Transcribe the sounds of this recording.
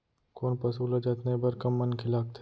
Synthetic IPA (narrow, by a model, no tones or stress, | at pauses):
koːnpɐsuːləd͡ʒɐt̪nebɐɾkɐmːɐnkʰɪlaːk̚t̪ʰ